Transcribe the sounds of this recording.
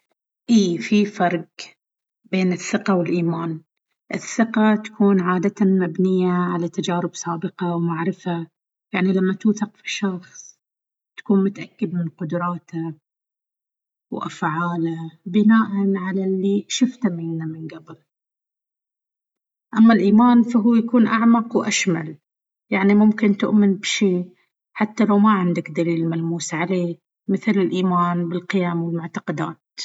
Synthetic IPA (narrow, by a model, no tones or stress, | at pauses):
ʔiːfifɑɾˤɡ | beːnɪθːɪqawɪlʔiːmaːn | ʔɪθːɪqat̪ḁkʰuːnʕaːd̪at̪amabnɪjːaʕalat̪ad͡ʒaːɾɪbsˤaːbɪqɑwmaʕɾɪfa | jaʕnilamːat̪uːθaqfi̥ʃɑxsˤ | t̪ḁkuːnmʊt̪aʔakːɪd̪mɪnqʊd̪ɾˤɑːt̪a | wʔa̰fʕaːlabɪnaːʔanʕalalːiʃʊft̪amɪnːamɪnɡabl | ʔamːalʔiːmaːnfaɦuːjakuːnʔaʕmɑqwʔaʃma̰l | jaʕnimʊmkɪnt̪ʊ̰ʔmɪnbʃiː | ħat̪ːalawmaʕɪnd̪akd̪aliːlmalmuːsʕaleː | mɪθlɪlʔiːmaːnbɪlqɪjaːmwɪlmʊʕt̪ɑqɑd̪a̰ːt̪